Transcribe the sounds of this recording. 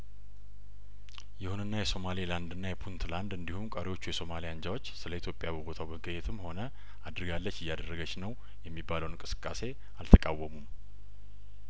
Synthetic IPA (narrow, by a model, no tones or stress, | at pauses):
jɪhunɨnːajɛso̞maliland̪ɨnːajɛpʰunt̪ʰland̪ɨnd̪ihumkʼəɾiwo̞t͡ʃːujɛso̞malijand͡ʒawo̞t͡ʃːsɨləit̪ʰjo̞pʼjabəbot̪ʰawbəɡəjɛt̪ʰɨmːho̞nə | ad̪ɾɨɡalːət͡ʃːɪjːad̪ərːəɡət͡ʃnəw | jɛmːibːaləwnŋkʼɨsɨ̥kʼːase̞ | alt̪ʰəkʼawːəmum